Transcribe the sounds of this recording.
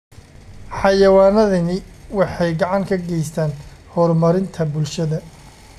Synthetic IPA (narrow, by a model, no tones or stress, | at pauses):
ħɑjɐwaːnɐðɐnɪwɑħɑjɡɑʕɑŋkʰɐɡɛjst̪ʰaːnhɔːrmɐɾɪnt̪ʰɐbʊlʃɐðɐ